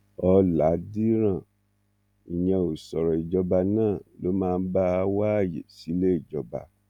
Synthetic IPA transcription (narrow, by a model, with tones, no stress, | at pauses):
ɔ˧la˨˦di˦ɾ̃ã˦˨ | i˨j̃ɛ̃˧o˨sɔ˨ɾɔ˨i˨d͡ʒɔ˧ba˧nãː˦˨lo˨˦mãː˦˧˦ba˦˧˦wa˦a˦˨jḛ˨si˨˦le˦i˦˨d͡ʒɔ˧ba̰˧